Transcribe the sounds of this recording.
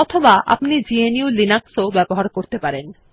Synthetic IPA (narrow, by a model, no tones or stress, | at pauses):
ɔt̪ʰobaʔa̰pnid͡ʑieniulinaksobɛboɦaɾkoɾt̪epaɾen